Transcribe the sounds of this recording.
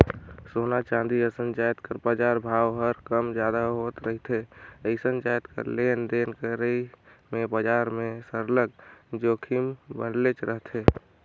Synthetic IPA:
sonat͡ʃãnd̪iəsənt͡ʃajət̪kəɾbəd͡ʒaɾbʱawɦəɾkəmd͡ʒjad̪aɦot̪ɾəɦit̪ʰeəɪsənt͡ʃajət̪kə̰ɾlend̪enkəɾəimebəd͡ʒaɾmẽsəɾləɡ̚d͡ʒokʰimbənlet͡ʃɾəɦt̪ʰe

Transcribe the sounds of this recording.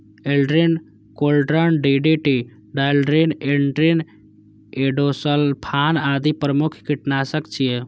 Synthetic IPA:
elɖɾen | kolɖɾənɖiɖeʈi | ɖalɖɾeneɳʈɾen | eɖosəlpʰaːnaːd̪ipɾəmukʰkiʈnasəkt͡ʃʰije

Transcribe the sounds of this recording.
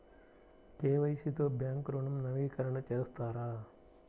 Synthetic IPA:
keːʋɐjsit̪oːbjaːŋkɾoːɳɐmnɐʋiːkɐɾɐɳɐt͡ʃeːst̪aːɾaː

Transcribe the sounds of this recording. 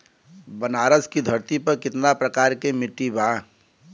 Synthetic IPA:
bənaːɾəskid̪ʱəɾt̪ipɐɾkɪt̪napɾəkaːɾkemɪʈːibãː

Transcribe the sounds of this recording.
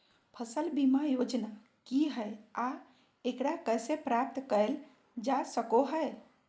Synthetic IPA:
pʰəsəlbimajod͡ʒna | kiɦəja | ekɽakəjsepɾap̚t̪kəel | d͡ʒasəkoɦəj

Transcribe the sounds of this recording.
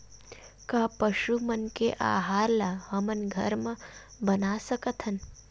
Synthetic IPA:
kaːpəʃumənkeʔa̰ːɦaːɾlahəmɐnɡʱə̰ɾməbənaːsəkət̪ʰɐn

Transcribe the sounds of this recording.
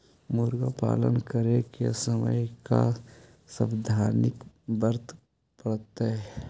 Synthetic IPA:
mʊɾɡapa̰ːlənkəɾekesəmə̰jka | səbd̪ʱaːnɪk | bəɾt̪ | pəɽt̪aɦɛ

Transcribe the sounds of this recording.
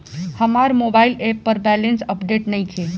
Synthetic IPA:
həmaɾmobaɪlepːəɾbɛlensəpɖeːʈnəĩkʰe

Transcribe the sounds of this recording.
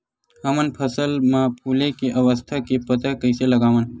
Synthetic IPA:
ɦəmənpʰəsəlmãpʰuːlekeʔəʋəst̪ʰakepət̪akəɪseləɡaːʋən

